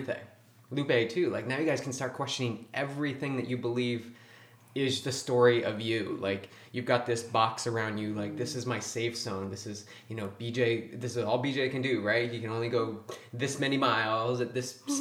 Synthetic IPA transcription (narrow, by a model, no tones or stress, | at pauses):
peɪ | lʉpeɪtʰʉlaɪk̚naʊjɨɡaɪz̥kʰn̩stɑɹt̚kʰw̥ɛst͡ʃɨ̃nɪ̃ŋʔɛvɹiθɪ̃ŋðɨt͡ʃɨbəliv | ɪzðɨstɔɹiʔʌvjʉla̰ɪk | jɨvɡɑt̪̚ðɪsb̥ɑksə˞ãʊ̃ndd͡ʒɨlaɪk̚ðɪsɨzmaɪseɪfsõʊ̃nðɪsɨz̥ | jɨnoʊbid͡ʒeɪðɪsɨzɔlˠbid͡ʒeɪkɨ̃ndʉɹaɪtjɨkʰɨ̃nõʊ̃nliɡoʊðɪsmɛnimaɪlˠzɨt̪̚ðɪs